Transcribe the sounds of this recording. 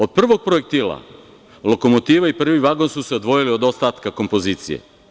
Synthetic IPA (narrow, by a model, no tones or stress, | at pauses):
o̞d̪̚pr̩ʋo̞ɡ̚pɾojek̚t̪ila̰ | lo̞ko̞mot̪iːʋaipr̩ʋiʋaɡo̞nsuseod̪ʋo̞jiliod̪o̞st̪at̪kako̞mpo̞ziːt̪sḭjḛ